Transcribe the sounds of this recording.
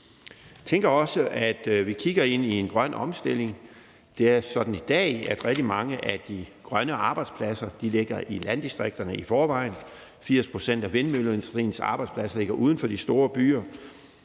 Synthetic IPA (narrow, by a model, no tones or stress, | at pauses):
t͡sʰeŋɡ̥ɐɒ̽səʔæd̥ʋikʰiɡ̥ɐe̝n̰ie̝nɡ̥ʁɶn̰ɒ̽msd̥e̝l̰e̝ŋ | d̥e̝æɐsɒ̽d̥n̩id̥ɛ̰ːæd̥ʁɛɡ̥d̥imɑ̈ŋəʔæd̥iɡ̥ʁɶnəʔɑ̈ːb̥ɑ̈ɪd̥spʰlæsɐd̥ile̝ɡ̥ɐʔilænd̥isd̥ʁeɡ̥̚d̥ɐnəifɒːʋɑ̈ɪ̰n | fiɐ̰spʰʁo̝sen̰d̥æʋe̝nmølensdʁḭːn̩sɑ̈b̥ɑ̈ɪd̥spʰlæsle̝ɡ̥ɐʔuːð̞ˠn̩fɒ̽d̥isd̥o̝ːɐb̥y̰ːɐ